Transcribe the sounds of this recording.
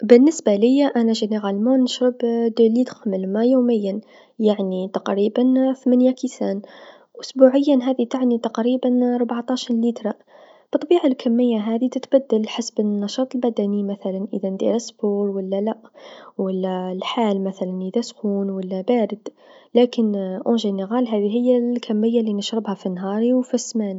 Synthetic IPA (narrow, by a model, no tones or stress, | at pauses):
bənːəsbaləjːaʔænaʒæneɣælmunːəʃɾəbd̪ulit̪xməlmajuːməjːan | jaʕnit̪ɑqɾibanθmanjakisaːn | ʔʊsbuʕəjːanɦæːd̪it̪aʕnit̪ɑqɾiːbanɾˤʊbʕt̪ɑʃɾliːt̪ɾˤɑ | b̥ɨt̪ˤbiːʕalkʰæmːəjːaɦæːd̪it̪ət̪bæd̪ːəlħasbənnːɑʃɑːt̪ˤəlbæd̪ænimæθælænʔəðænd̪ḭɾəsːbuːɾwəlːælæʔwəlːælħaːlmæθælænʔəðæskuːnwəlːæbaːɾəd̪̥ | læːkənʔʊnʒinəɣælɦæːðiɦɪjːækʰæmːɪjːalinəʃɾəbhæfinːɦɑːɾˤiwfismæːni